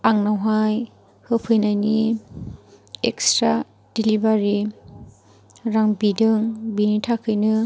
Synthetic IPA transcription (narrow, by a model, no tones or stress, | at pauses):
aŋnawɦaj | hɯpʰɯjnajni | ekstɾa | d̥ilibaɾi | ɾaŋbidɯŋbinitʰakʰɯjnɯ